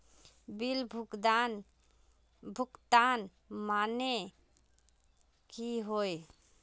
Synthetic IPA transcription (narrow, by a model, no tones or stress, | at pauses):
bilbʱukd̪an | bʱukt̪an | mane | kiɦoj